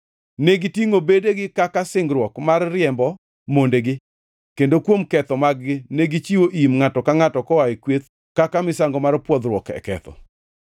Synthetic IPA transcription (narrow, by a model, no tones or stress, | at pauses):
neɡitiŋobedeɡɪkakasɪŋɡɾwɔkmarːɪɛmbɔ | mondeɡɪ | kendokwomkɛt̪ɔmaɡɡɪneɡit͡ʃiwoʔimŋatɔkaŋatɔkɔwaikwet̪ | kakamɪsaŋɡɔmarpwɔd̪ɾwɔkɛ̰kɛ̰t̪ɔ̰